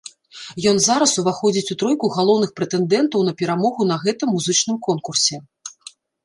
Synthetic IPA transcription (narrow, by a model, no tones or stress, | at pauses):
jɔn̪zaɾɐsuvaxɔd͡zʲit͡sʲut̪ɾɔjkuɣalˠɔwnɨxpɾɛt̪ɛnd̪ɛnt̪ɐwnɐpʲɛɾamɔɣun̪ɐɣɛt̪ɨmːuzɨt͡ʂnɨmkɔnkursʲɛ